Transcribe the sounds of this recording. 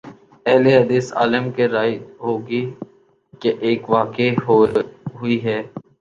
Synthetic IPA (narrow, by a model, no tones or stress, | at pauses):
ɛɦleɦəd̪iːsa̰ːləmkeɾaːɦoːɡi | keʔeːkʋaːke | ɦʊiɦɛː